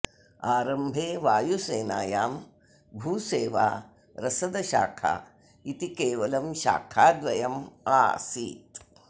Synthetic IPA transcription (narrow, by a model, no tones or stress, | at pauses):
aːɾɐmbʱeːʋaːjuseːnaːjaːm | bʱuːseːʋa̰ː | ɾɐsɐd̪ɐʃa̰ːkʰa̰ː | it̪ikeːʋɐlɐmʃa̰ːkʰaːd̪ʋɐjɐma̰ːsḭːt̪